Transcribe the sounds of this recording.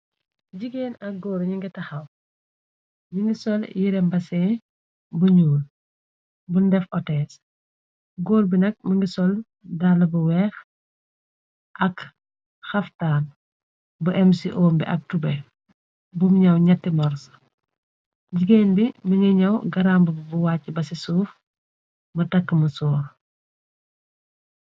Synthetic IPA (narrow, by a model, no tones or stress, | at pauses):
ɟiɡeːnɐk̚ɡɔːɾɲiŋɡitɐxɐw | ɲiŋɡisɔljiɾɛmbɐsɛː | buɲuːl | bundɛfɔtɛːs | ɡoːɾbinɐk̚məŋɡisɔl | dalɐbuwɛːx | ʔɐk | xɐftaːn | buʔɛmsiʔɔːmbḭʔɐk̚tubɛ | bumɲɐwɲɐtːimɔɾsɐ̥ | ɟiɡeːnbimɐɲɛɲɐwɡɐɾambəbbuwaːcːibɐsisuːf | mɐtɐkːəmɐsɔːɾ